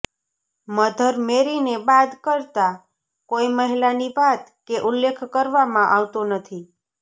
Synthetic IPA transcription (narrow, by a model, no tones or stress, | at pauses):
məd̪ʱəɾmeɾinebad̪kəɾt̪a | koiməɦilanibat̪keʔʊlːekʰkəɾʋamãʔaʋt̪onət̪ʰi